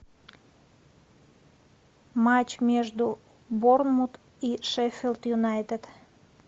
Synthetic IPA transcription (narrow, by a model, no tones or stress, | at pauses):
mat͡ɕmʲeʒd̪u | bornmut̪ | iʃɛfʲelˠt̪junajt̪et̪